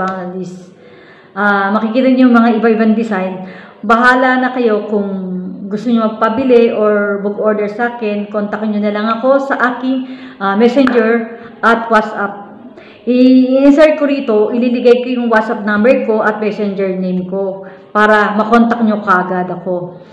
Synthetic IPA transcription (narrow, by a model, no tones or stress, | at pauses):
aŋɐlis | ʔaːmɐkɪkiːt̪ɐɲjʊŋmɐŋaʔɪbaʔɪbaŋd̪ɪsajnbɐɦaːlɐnɐkɐjo̞kʊŋɡʊst̪oɲomɐɡ̚pɐbɪlɛʔoɹbʊɡʔoɹd̪ɛɹsaːkɛnkont̪ɐkɲonɐlɐŋɐko̞sɐʔaːkɪŋʔamɛsɛnd͡ʒɛɹʔɐt̪̚wat̪sʔap̚ | ʔɪʔɛnsɛɹkoɾiːt̪o̞ʔɪlilɪɡajkɐjʊŋwat̪sap̚nambɛɹko̞ʔɐt̪̚mɛsɛnd͡ʒɛɹnejmko̞ | paːɾɐmɐkont̪ɐk̚ɲokaːɡɐd̪ɐko̞